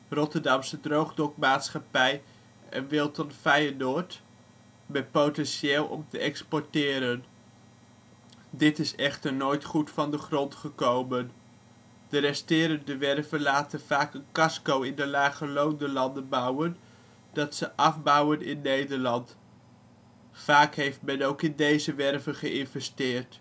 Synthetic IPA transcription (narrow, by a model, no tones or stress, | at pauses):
rɔtəɹdɑmsədrowχdɔkmaːtsχɑpɛj | ɛ̰nʋɪlˠtɔtfɛjənʊːt | mɛt̚powtɛnsɪːlˠɔ̰mtəɛkspɔɹtɪːɾən | dɪtɪsɛχtəɹnoːjtχutfɑndəχrɔntχəkowmən | d̥ərɛstɪːɾəndəʋɛrvənlaːtənv̥aːkənkɑskowɪndəlaːχəlowndəlɑndənbʌwən | d̥ɑtsəʔɑfbʌwənɪnːejdəɹlɑnt | faːkɦejftmɛnowkɪndejzəʋɛrvəχəɪnvɛstɪːrt